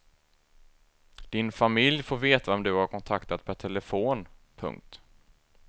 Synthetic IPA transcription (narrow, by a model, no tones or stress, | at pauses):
d̪̥ɪnfamɪljfoːɾveːt̪aɔmd̪ɵhaɾkʰɔnt̪ʰakt̪at̪̚pʰæʈʰɛləfoːnpʰɵ̰ŋk̚t̪